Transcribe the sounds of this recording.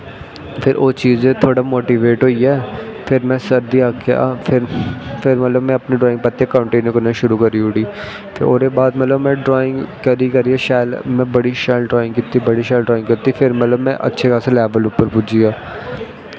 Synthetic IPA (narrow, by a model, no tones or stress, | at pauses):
pʰɪɾʔoːt͡ʃiːzẽt̪ʰoːɽamoːʈiʋeːʈɦoːiɛːpʰɪɾmɛ̃ːsəɾd̪iaːkea̰ːpʰɪɾpʰɪɾmɛt̪ləbmɛ̃ɐpniɖɾɔːɪ̃ŋɡpɐt̪ːekə̃ːɳʈeːnəɾkəɾnaʃʊɾukəɾiʊɽiː | pʰɪɾoːɾebaːd̪mɛt̪ləbmɛ̃ːɖɾɔːɪ̃ŋɡkəɾikəɾiːaʃaːəlmɛ̃bəɽiʃaːɪlɖɾɔːɪ̃ŋɡkit̪ːibəɽiʃaːlɖɾɔːɪ̃ŋɡkɐɾt̪ifʰɪɾmɛt̪ləbmɛ̃ʔɐ̰tːʃʰekãːselɛːʋəlʊpːəɾbʊd͡ʒijaː